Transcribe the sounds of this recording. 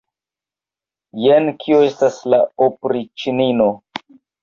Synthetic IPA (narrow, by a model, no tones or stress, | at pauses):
jenkʰioestaslaopɾit͡ʃinino